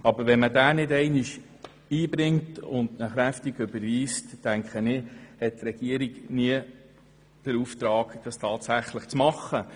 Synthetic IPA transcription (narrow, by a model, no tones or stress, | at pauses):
ɑbəɾʋɛnmədæːnɪdɛɪnɪʃ | iːbɾɪŋtʊndnəχɾæftiɡɵbəɾʋiːstːæŋkχənɪhɛt̚tɾɛɡ̥iəɾiɡniə | d̥əɾuft̪ɾɑːɡd̥ɑstʰɑːtsæχləχt͡smɑχːə